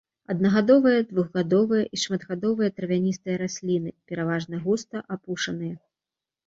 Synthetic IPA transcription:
ɐd̪̚nɐɣad̪ɔvɨjɐd̪vuɣɣad̪ɔvɨjɐʔiʂmɐd̪ɣad̪ɔvɨjɐt̪ɾɐvʲanʲist̪ɨjɐɾasʲlʲinɨpʲɛɾavaʐnɐɣust̪ɐʔapuʂɐnɨjɛ

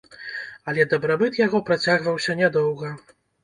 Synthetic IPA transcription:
ɐlʲɛd̪ɐbɾabɨt̪jaɣɔpɾat͡sʲaɣvɐwsʲɐnʲɛd̪ɔwɣɐ

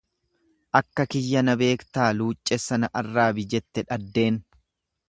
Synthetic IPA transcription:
ʔɐkːɐkɪjːɐnɐbe̞ːkt̪aːluːt͡ʃʼːɛsɐnɐʔɐrːaːbɪd͡ʒɛt̪ːɛᶑɐd̪ːe̞ːn

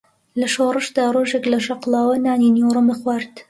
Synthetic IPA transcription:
lɐʃorɨʃd̪aːroːʒeklɐʃɐqlɑːwɐnaːninewrɨmɨxwaɾt̪

